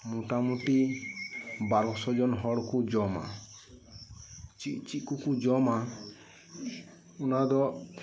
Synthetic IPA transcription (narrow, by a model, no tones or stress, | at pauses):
muʈamuʈi | baɾɔsɔd͡ʒɔnɦɔɽkud͡ʒɔma̰ | t͡ʃiʔt͡ʃit̪̚kukud͡ʒɔma | unad̪ɔ